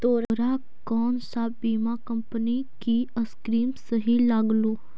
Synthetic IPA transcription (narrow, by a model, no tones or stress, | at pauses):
t̪oːɾɾa | kɔːnsaːbbiːmakɐ̃mpənikiəskɾiːmsəɦilaːɡluː